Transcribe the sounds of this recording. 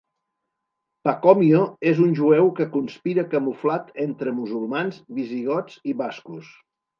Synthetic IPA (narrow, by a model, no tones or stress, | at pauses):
pakɔmioezunʲʒuɛwkəkunspiɾəkəmuflat̪ent̪ɾəmuzulˠmanzβiziɣ̞ɔt͡siβaskus